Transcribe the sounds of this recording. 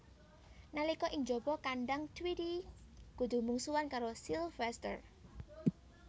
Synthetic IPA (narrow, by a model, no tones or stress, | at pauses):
nalikɔʔɪŋd͡ʒɔbɔkaɳɖaŋt̪wiɾiɡ̥ud̪̥ṳmuŋsuwankaɾosilfɛst̪ə̰r